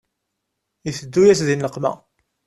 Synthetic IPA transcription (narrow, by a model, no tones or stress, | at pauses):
jəθəd̪ːujæsðinləqːmæ̰